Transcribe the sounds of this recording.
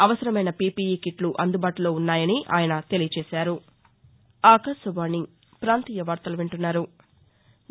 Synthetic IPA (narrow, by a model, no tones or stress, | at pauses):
ɐʋɐsɐɾɐmɐjnɐpiːpijikiʈluʔɐnd̪ubaːʈulo̞ːunːaːjɐniʔa̰ːjɐnɐt̪e̞lijɐt͡ʃeːʃaːɾu | aːkɐsɐʋaːni | pɾaːnt̪iːjɐʋaːɾt̪ɐluʋeɳʈunːaːɾu